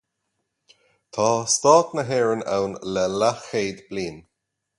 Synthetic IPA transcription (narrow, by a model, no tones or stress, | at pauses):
t̪ʰɑːst̪ɑːt̪nəɦɛːɹəna̰wnlɛlaxeːd̪b̥liːn